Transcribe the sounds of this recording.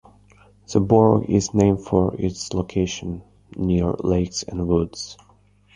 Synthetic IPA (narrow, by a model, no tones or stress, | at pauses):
ð̥əbɔɹɡɪ̰znẽɪ̃mdfəɹɪtsloʊkʰeɪʃə̃nː | iɹleɪksɨ̰̃nwʊdz̥